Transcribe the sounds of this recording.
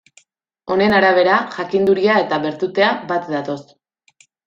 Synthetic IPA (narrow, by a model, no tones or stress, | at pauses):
o̞ne̞naɾaβe̞ɾaʝakind̪uɾiae̞t̪aβe̞ɾt̪ut̪e̞abat̪d̪at̪o̞s